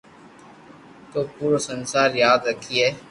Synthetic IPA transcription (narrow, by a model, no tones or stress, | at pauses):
koːpuːɾosənsaːɾjaːd̪ɾəkʰːiɦɛː